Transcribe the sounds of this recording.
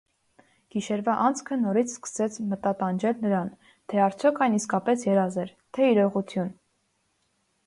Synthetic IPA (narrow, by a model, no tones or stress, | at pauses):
ɡ̥iʃɛɾvɑʔɑnt͡skʰənɔɾit͡sʰskə̥sɛt͡sʰmət̪ɑt̪ɑnd͡ʒɛlnəɾɑn | t̪ʰɛɑɾt͡sʰjɔkʰɑjniskɑpɛsjɛɾɑzɛɾ | t̪ʰɛiɾɔʁut̪ʰjun